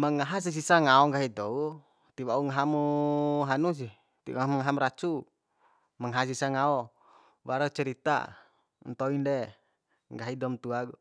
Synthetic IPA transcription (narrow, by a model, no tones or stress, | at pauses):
maŋaɦas̬is̬isaŋaɔŋɡaɦid̪ɔu | t̪iwauŋaɦamuɦanus̬i | t̪imŋaɦamɾat͡ʃu | maŋaɦas̬isaŋaɔ | waɾat͡ʃɛɾit̪a̰ | nt̪ɔindɛ | ŋɡaɦidɔmt̪uaɡɔ